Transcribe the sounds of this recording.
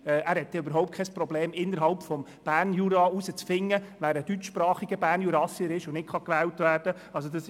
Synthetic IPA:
ɛʔæːɾhɛt̪ːɛøbəɾɦɔʊpt̚kʰɛspɾɔbleːmɪnːəɾɦɑlpfɔm | b̥æːɾnjuɾɑusət͡sfɪŋːəʋæːɾəd̥yt͡ʃʃpɾɑːχiɡəbæːɾnjuɾɑsiəɾɪʃʊnɪtχɑkʋæːltʋæːɾd̥ə | ɑls̬odɑs

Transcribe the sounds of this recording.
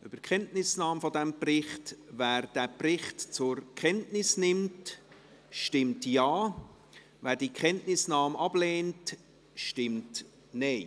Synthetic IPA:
ʔʏb̥əkχɛntnɪsnɑːmfɔdɛmprɪχtvæːɾd̥æːprɪχtt͡sʊɾkʰɛntnɪsnɪmt | ʃtɪmtjɑː | væːɾdiːkχɛntnɪsnɑːmɑb̥leːnt | ʃtɪmt | nɛɪ

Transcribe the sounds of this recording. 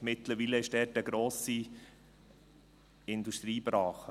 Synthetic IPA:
mɪt̪ləɾʋiːləɪʃd̥ɛːtəɡɾoːsi | ɪnduʃtɾiːbɾɑːχə

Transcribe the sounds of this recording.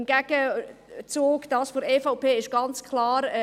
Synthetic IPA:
nɡ̥ɛɡ̥ət͡suːɡd̥ɑːsfoɾeːfaʊpʰeːɪʃɡ̥ɑnt͡skʰlɑːɾɛ

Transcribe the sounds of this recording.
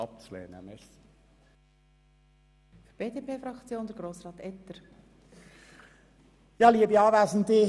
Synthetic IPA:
ɑp̚t͡slḛːnə̰mɛs | fb̥eːdeːpʰeːfɾɑkt͡sjoːnd̪əɾɡɾoːsɾɑːt̪ɛt̪ːəɾ | jɑːliəbiɑːʋæːsn̩dɪ

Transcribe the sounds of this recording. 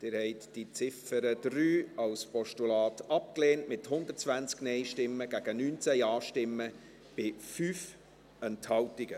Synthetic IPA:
d̥ɪːɾhɛɪtd̥it͡sɪfəɾəd̥̪ɾyːɑlspɔʃtulɑːtɑp̚kleːntmɪthʊnd̪ətt͡sʋænt͡sknɛɪʃtɪmːəɡ̥æɡ̥ənyːnt͡sæjɑːʃtɪmːə | b̥ɪfyːf | ɛnthɑwtɪɡ̥ə

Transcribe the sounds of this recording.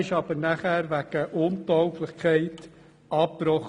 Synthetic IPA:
ɪʃɑːb̥əɾnaχæːɾʋæɡ̥əʔʊntɔʊklɪχkʰɛɪt | ɑppɾɔχ

